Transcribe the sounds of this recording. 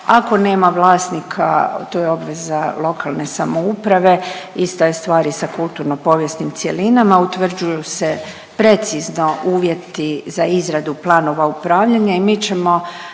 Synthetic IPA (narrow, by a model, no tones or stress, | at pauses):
ako̞ne̞ːmaʋlˠaːsnikʰa̰t̪ojeo̞bʋe̞zalo̞kʰalˠne̞samo̞upɾaʋe̞ist̪ajest̪ʋaːɾisakulˠt̪uɾno̞po̞ːʋje̞st̪nimt̪sje̞linamaut̪ʋr̩d͡ʒujuse | pɾe̞t̪sizno̞ʔuːʋje̞t̪izaizɾad̪uplˠaːno̞ʋaupɾaːʋʎaɲaimiːt͡ɕe̞mo̞